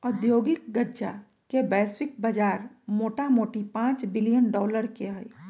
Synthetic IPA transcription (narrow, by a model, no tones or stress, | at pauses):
ʊd̪joːɡɪk̚ɡədːd͡ʒa̰ | kebɛːswɪk̚bɐd͡ʒaːɾmoːʈamoːʈipãːt͡ʃbɪlijənɖɔːləɾkeɦəi